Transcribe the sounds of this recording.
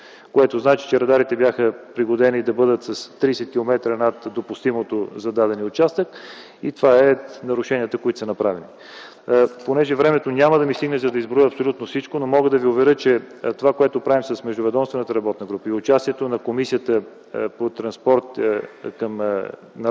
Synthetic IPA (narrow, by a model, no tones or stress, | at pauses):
koɛt̪oznat͡ʃi̥t͡ʃɛɾɐd̪aɾit̪ɛbjaxəpɾiɡod̪ɛnid̪ɐbɤd̪ət̪sɐst̪ɾiːsɛt̪̚kʲilˠomɛt̪ɾənat̪d̪opʊst̪imot̪ozɐd̪ad̪ɛniʊt͡ʃast̪ək | it̪ovaɛnɐɾʊʃɛniət̪əkoit̪o̥sənɐpɾavɛni | ponɛʒɛvɾɛmɛt̪onʲaməd̪ɐmist̪iɡnɛzɐd̪ɐizbɾojəɐpsolʲut̪nofsit͡ʃkonomɔɡəd̪ɐviʊvɛɾət͡ʃɛt̪ovakoɛt̪opɾavimsəsmɛʒd̪ʊvɛd̪ɔmst̪vɛnət̪əɾɐbɔt̪nəɡɾupəiʊt͡ʃast̪iɛt̪onɐkomisiət̪ə | pot̪ɾɐnspɔɾt̪kɐm | nɐ